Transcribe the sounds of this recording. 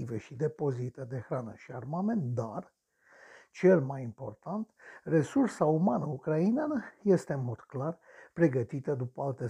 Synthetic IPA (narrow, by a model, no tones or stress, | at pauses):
iveʃid̪epozit̪əd̪exɾanə̰ʃiarmament̪d̪ar | t͡ʃelmajimpo̞rt̪ant̪resursaumanəukɾainanəjest̪enmod̪klar | pɾeɡət̪it̪əd̪upəalt̪e